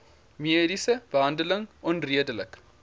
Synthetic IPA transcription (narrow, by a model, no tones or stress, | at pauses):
miədisəb̥əɦɐndələŋʔɔnriədələk